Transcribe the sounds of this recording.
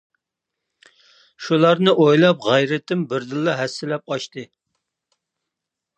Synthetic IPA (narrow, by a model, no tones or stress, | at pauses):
ʃulˠɑɾnɨʔojlˠɑp̚ʁæjɾɪt̪ɪmbɪɾd̪ɨlˠːɑɦɛsːɪlɛp̚ɑʃt̪ɨ